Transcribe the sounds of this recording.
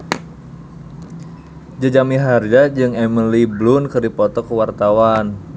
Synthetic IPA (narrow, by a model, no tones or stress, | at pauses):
d͡ʒad͡ʒamiɦard͡ʒad͡ʒɨŋɛməliblʊnkərdipɔt̪ɔkəwart̪awan